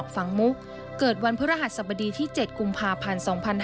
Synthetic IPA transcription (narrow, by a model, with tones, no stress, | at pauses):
k̚fa˩˦ŋmu˦˥k̚ | kɤː˨˩t̪̚wa˧npʰɯ˦˥ɾa˧˩ɦa˨˩t̪̚sa˨˩ba˧diː˧t̪ʰiː˥˩t͡ɕe˨˩t̪̚ku˧mpʰaː˧pʰa˧nsɔː˩˦ŋpʰa˧nh